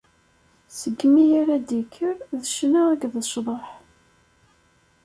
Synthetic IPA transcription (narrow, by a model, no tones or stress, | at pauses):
səɡːmijaɾæd̪ikʰːəɾðəʃnaæɡðəʃðˤɑħ